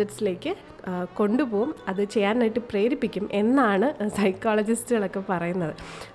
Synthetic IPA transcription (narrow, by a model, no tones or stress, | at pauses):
ɐʈːsile̞ːkːɨ | ko̞ɳɖupo̞ːumɐðɨt͡ɕe̞jːaːnːaːjiʈːɨpreːɾipːikʲːume̞nːaːɳɨsɐjkːaːlɐd͡ʑistɨɣɐɭo̞kːe̞pɐrɐjunːɐðɨ